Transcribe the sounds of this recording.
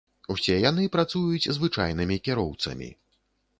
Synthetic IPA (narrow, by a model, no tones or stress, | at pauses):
usʲɛjanɨpɾat̪sujut͡sʲzvɨt͡ʂa̰jn̪ɨmʲikʲɛɾɔwt̪sɐ̰mʲḭ